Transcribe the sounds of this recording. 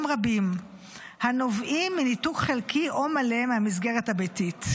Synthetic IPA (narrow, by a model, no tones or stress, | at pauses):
mʁabim | hano̞vʔimːinitukχelkiʔo̞male̞mehamis̬ɡeʁethabejtit